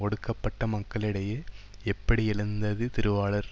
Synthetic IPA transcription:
ɔɽɯkːɐpːɐʈːɐmɐkːɐɭɪɽɐjeː | ɛpːɐɽiɪɭɐnd̪ɐðɯt̪ɪɾɯʋaːɭɐɾ

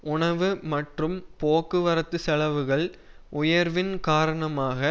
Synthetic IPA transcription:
ʊɳɐʋɯmɐʈrɯmpoːkːɯʋɐɾɐt̪ːɯsɛlɐʋɯɣɐɭ | ʔʊjɐɾʋɪnkaːɾɐɳɐmaːɣɐ

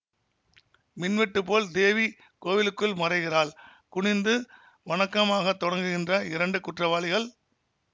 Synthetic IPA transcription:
mɪnʋɪʈːɯpoːld̪eːʋi | koːʋɪlɯkːɯlmɐrɐɪɣɪraːɭkʊɳɪnd̪ɯ | ʋɐɳɐkːɐmaːɣɐt̪ːɔɽɐŋɡɯɣɪndrɐɪɾɐɳɖɯkʊʈrɐʋaːɭɪɣɐɭ

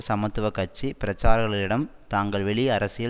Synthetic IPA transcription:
sɐmɐt̪ːɯʋɐkːɐʈ̚t͡ʃːipɪɾɐt͡ʃːaːɾɐɣɐɭɪlɪɽɐmt̪aːŋɡɐɭʋɛɭiɐɾɐsɪjɐ

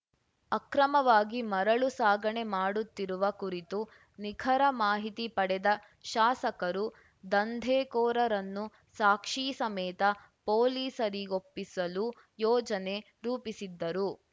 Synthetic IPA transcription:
ɐkɾɐmɐʋaːɡimɐɾɐɭusaːɡɐɳemaːɽut̪ːiɾuʋɐkuɾit̪u | nikʰɐɾɐmaːɦit̪ipɐɽɛd̪ɐ | ʃaːsɐkɐɾu | d̪ɐnd̪ʱeːkɔːɾɐɾɐnːu | saːkʂiːsɐmɛːt̪ɐ | poːliːsɐɾiopːisɐlu | jɔːd͡ʒɐne̞ | ɾuːpisid̪ːɐɾu

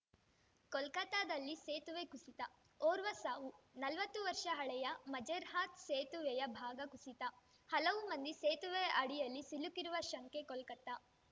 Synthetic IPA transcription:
kɔlkɐt̪aːd̪ɐlːiseːt̪uʋekusit̪ɐ | oːɾʋɐsaːʋunɐlʋɐt̪ːuʋɐɾʂɐɦɐɭɛjɐmɐd͡ʒeɾɦaːt̪seːt̪uʋɛjɐbʱaːɡɐkusit̪ɐ | hɐlɐʋumɐnd̪iseːt̪uʋeɐɽijɐlːisilukːiɾuʋɐʃɐŋkekɔlkɐt̪ːa

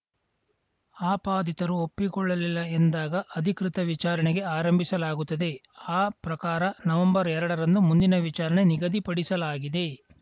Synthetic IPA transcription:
aːpaːd̪it̪ɐɾuopːikɔɭːɐlilːɐend̪aːɡɐʔɐd̪ʱikɾit̪ɐʋit͡ʃaːɾɐɳeɡe̞aːɾɐmbʱisɐlaːɡut̪ːɐd̪e̞ | aːpɾɐkaːɾɐnɐʋɐmbɐɾɛɾɐɽɐɾɐnd̪umund̪inɐʋit͡ʃaːɾɐɳe̞niɡɐd̪ipɐɽisɐlaːɡid̪e̞

